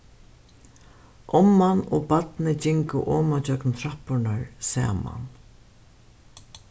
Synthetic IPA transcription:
ʔɔmːanoːbat̪nɪt͡ɕɪŋkʊ̰ʔɔːmat͡ɕœknt̪ʰɾahpʊɳaɹsɛ̰ːma̰n

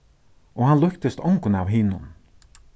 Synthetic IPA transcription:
ɔhanlʊkt̪ɪst̪ɔwŋkʊnawɦiːnʊn

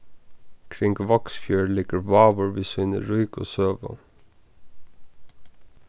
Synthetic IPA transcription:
kʰɾɪŋɡʋɑksfjøːɹliːkəɹʋɑːʋʊɹʋɪsʋɪnə̰ɹʊʏko̰ːsøːʋə̰

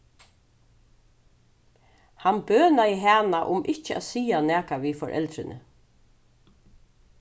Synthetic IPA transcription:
hanbøːnaiɦæːnaʔʊmʔɪht͡ʃəa̰ðsiːanɛːkaʋiːfɔɾʔɛ̰lt̪ɾɪnʔə̰

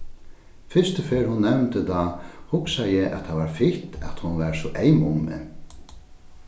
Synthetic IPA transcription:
fɪ̥st̪əfeːɾhʊnːɛmnt̪ət̪ʰahʊksajɛʔɛ̰t̪ʰːaʋaɾfɪht̪ɛt̪hʊnʋɛːɾsɔʔejmʊŋmɪ̰n

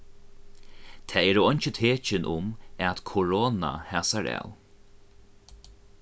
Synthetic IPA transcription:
t̪ʰɛːɛːɾəɔjnt͡ʃət̪ʰeːt͡ʃɪnʔʊmæt̪kʰɔɹoːna̰haːsaɹa̰w

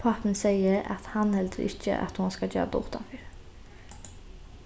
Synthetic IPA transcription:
pʰɑpən̩sɛɪəɾɑ̰t̪hɑnhɛld̪əɾɪ̰çə̰ʔɑ̰t̪hʊnskɑd͡ʒø̰ːd̪uːt̪ɑnfyɾ

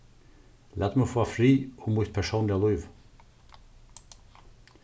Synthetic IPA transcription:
læt̪mufoːfɾiːɔmuːt̪̚pʰæʃoːnlɪɑlɔʏʋ

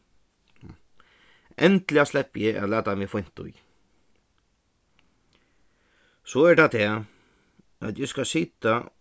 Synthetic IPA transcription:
ɛnt̪lɪaslɛpːjɪʔæ̰læːt̪amɪːfʊjn̥t̪ʊ̰j | sɔːɛɹɖat̪ʰɛː | æ̰t̪jɪskasiːt̪a

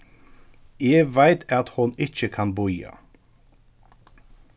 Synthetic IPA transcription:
eːɡʋæɪt̪ʰɑt̪hʊnɪc͡çəkʰɑnbʊʏɑ̰

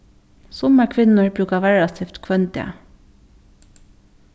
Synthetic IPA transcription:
sɔməkʰʋɪnəɹbɾʉːkɑʋæɹɑt̪ʰift̪kʰʋœnt̪ɪə̰

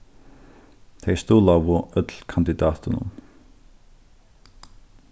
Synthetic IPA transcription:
t̪ʰest̪uːlawʋʊœt̪lkʰand̪ɪd̪ɑːt̪ʰənʊ̰m

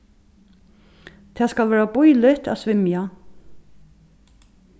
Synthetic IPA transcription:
t̪ʰɛːskalvɛːɹabʊjlɪht̪a̰sʋɪmja

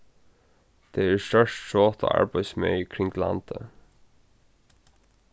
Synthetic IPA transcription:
d̪̥eːæːstœʃtʃoːt̪ʰo̰ːʔæ̰ɹbæɪsmœ̰ʏkʰɾɪŋɡlɑ̰nt̪ʰə

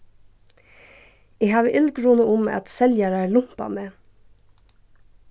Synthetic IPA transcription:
eːhɑːʋəʔɪlɡɾuːnəʊmɑ̰t̪sɛljɑɾæːlʊmpɑ̰meː

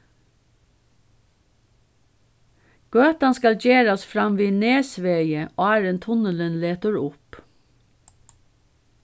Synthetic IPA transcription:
ɡ̥øːt̪ɑnskɑlɟeːɹɑsfɾɑmʋiːneːsʋeɪəʔoːæɹənt̪ʰʊnələnleːt̪əɹʊp

